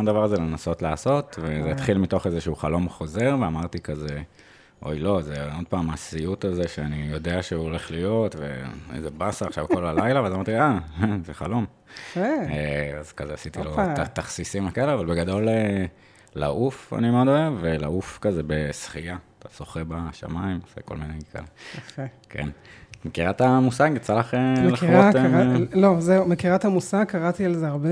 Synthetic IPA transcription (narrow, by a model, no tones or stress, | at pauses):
ʃomd̪avaʁzelenaso̞tlaːso̞t̪vezeːt̪χilmito̞χezeʃuuχalo̞mχo̞ze̞ʁveamaʁt̪ikaze | ʔo̞̰jlo̞zeo̞d̪̚paːmasijut̪azeʃeanijo̞deaʃeuole̞χlijo̞tvḛḛzebasaaχʃavkolalajlaveazamaʁtiazeχalo̞m | ea̰zkazeasit̪iloat̪aχsisimekaeleavalbeɡad̪o̞le | la̰ʔufa̰nimeod̪oevelaufkazebesχijat̪ḁso̞χebaʃa̰maimasḛko̞lminejkaleofekʰḛnmekiʁat̪amusaɡjet͡salaχemleʁotemlozeumekiʁat̪hamusaɡkaʁat̪ialzeaʁbe